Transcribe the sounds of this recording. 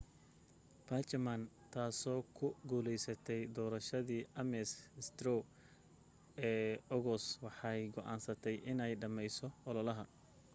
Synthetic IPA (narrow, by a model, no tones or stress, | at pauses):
b̥ɐːt͡ʃɐman | t̪ʰaːsɔːkʰʊɡuːlɛjsɐt̪ʰɛjd̪ɔːɾɐʃɐðiːʔɐmɛsst̪ɾɔ | ɛːɔɣɔswɑħɑjɡɔʔaːnsɐt̪ʰɛjʔɪnɛjɖɐmɛjsɔɔlɔlɐɦɐ